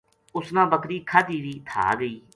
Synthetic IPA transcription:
ʊsnãːbəkɾiːkʰaːd̪iːʋiːt̪ʰa̰ːɡəiː

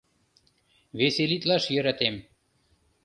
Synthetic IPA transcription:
βeselit̪lɑʃjəɾɑt̪em

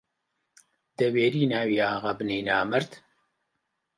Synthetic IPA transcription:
d̪ɛweːɾiːnaːwiːaːɣabɨneːnaːmɨɾt̪

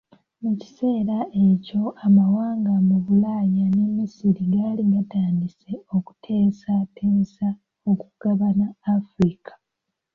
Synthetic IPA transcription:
muci̥se̞ːɾaʔe̞co̞amawaːŋɡamuβulaːjanemisiɾiɡaːliɡataːndise̞oku̥tʰe̞ːsatʰeːsa | okuɡ̥aβanaːfɾikʰḁ

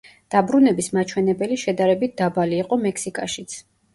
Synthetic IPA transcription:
d̪̥abɾunɛbismat͡ʃʰwɛnɛbɛliʃɛd̪aɾɛbit̪̚ʰd̪abaliːqʼɔmɛkʰsikʼaʃit̪sʰ

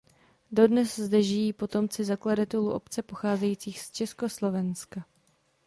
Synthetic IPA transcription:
do̞dnɛszdɛʒɪjiːpo̞t̪o̞mt͡sɪzakladat̪ɛluʔo̞̰pt͡sɛpo̞xaːzɛjiːt͡siːxst͡ʃɛsko̞slo̞vɛnska

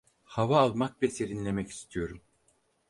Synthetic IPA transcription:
havaːlˠmak̚bʲɛse̞ɾinlʲe̞mɛci̥st̪ʰijo̞ɾum

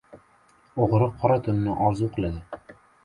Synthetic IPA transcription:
oʁɾɨqʰːɒɾat̪ʰʊnɪnɪʔɒɾzuqʰɨlˠad̪ɪ

